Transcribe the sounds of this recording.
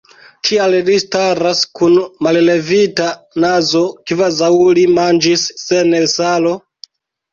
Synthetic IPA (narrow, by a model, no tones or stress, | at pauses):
tʰiallistaɾaskunmalle̞vita | nazo̞kivazawlimand͡ʒisːe̞nelsalo̞